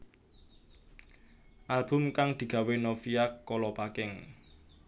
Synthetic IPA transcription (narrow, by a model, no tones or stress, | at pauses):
ʔalb̥ʊ̤mkaŋd̪̥i̤ɡ̥ä̤wenofijakːɔlɔpakɪŋ